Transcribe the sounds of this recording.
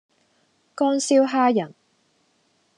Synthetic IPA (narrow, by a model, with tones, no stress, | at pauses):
kɔː˥nsiː˥wɦaː˥jɐ˨˩n